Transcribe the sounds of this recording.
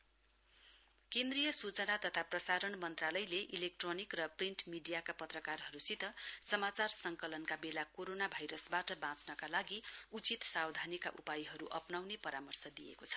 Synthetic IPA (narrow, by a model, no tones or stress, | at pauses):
kẽnd̪rijʌsut͡sʌnat̪ʌt̪ʰaprʌsaɾʌnmʌnt̪ralʌjleʔilek̚ʈronikrʌpriɳʈmiɖijakapʌt̪rʌkarɦʌɾusit̪ʌsʌmat͡sarsʌŋkʌlʌnkabelakoɾonabʱajɾʌsbaʈʌbãt͡snʌkalaɡiut͡sit̪sawd̪ʱanika̰ʔupajiɦʌɾuʔʌpnawnepʌɾamʌrsʌd̪ijḛkot͡sʰʌ̥